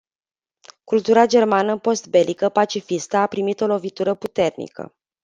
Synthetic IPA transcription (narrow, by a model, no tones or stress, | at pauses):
kult̪uɾad͡ʒe̞rmanəpo̞st̪̚be̞lʔikəpat͡ʃifist̪əapɾimit̪o̞lo̞vit̪uɾəput̪e̞rnḭkə̰